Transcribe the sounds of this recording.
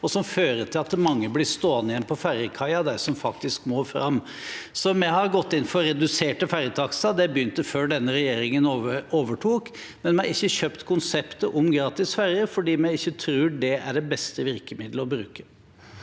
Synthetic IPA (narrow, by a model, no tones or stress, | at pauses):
ɔsɔmføːɾət̪ʰɪlɑt̪mɑŋːəblɪst̪oːɑnːəjɛnpʰɔfæɾjəkʰɑɪɑd̪æɾsɔmfɑkt̪ɪskmoːfɾɑ̰mː | sɔmɛɪhɑɾɡɔt̪ːɪnːfɔɾɾɛd̪ʉseːʈəfæɾjət̪ʰɑksɑd̪ɛbəʏnt̪əføːɖɛnːəɾɛjeːɾɪŋənoəoːʋəʈʰuːk | mɛnmɛhɑɪçːəçœpt̪kʰʊnsɛpt̪əʔɔmɡɾɑːt̪ɪsfæɾjəfɔɖiːmɛɪɪçːət̪ʰɾʉːɖɛæɖɛbɛst̪əʋɪɾkəmɪd̪ləɔbɾʉ̰ːkə̥